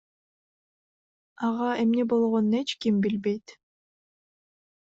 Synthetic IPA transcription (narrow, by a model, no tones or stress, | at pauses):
ɑʁɑe̞mne̞bo̞lˠʁo̞nue̞t͡ʃkimbilbe̞jt̪